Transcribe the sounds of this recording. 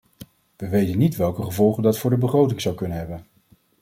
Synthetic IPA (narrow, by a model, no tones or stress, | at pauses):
ʋəʋejtənːitʋɛlˠkəχəvɔlˠχəndɑtfʊːɹdəbəχrowtɪŋzɑwkɵnənɦɛbən